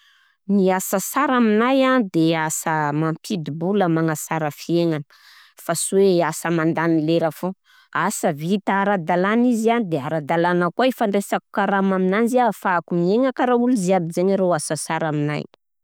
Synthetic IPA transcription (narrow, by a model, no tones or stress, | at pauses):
niasasaɾaminajad̪easəmampʰid̪ibuləmaŋasaɾəfieŋanə̥ | fasuweasəmand̪anileɾafo | asəvit̪aaɾad̪alanizianid̪eaɾad̪alanəkaefaɳɖ͡ʐesaku̥kaɾamaminanziafakumieŋakaɾauluziabizeɲaɾowasasaɾamina̰j